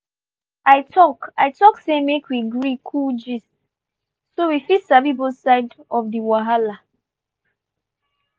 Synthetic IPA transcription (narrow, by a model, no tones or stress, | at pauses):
aɪtʰɔkaɪtɔksemekwiɡɹikʰuld͡ʒis | sowifitsavibosaɪdɔfdiwaɦala